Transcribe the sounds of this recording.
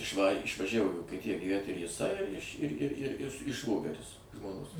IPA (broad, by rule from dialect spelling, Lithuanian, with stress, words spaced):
ɪʃˈʋɑːrʲeː ɪʃʋɐˈʒʲæʋoː iː ʋoːkʲiɛˈtʲɪjɛ ɡʲiːˈʋʲæt ɪr jɪˈsɐɪ ɪʃ ɪr ɪr ɪr ɪ ˈʃʋoːɡʲɛrʲɪs ʒmoːˈnoːs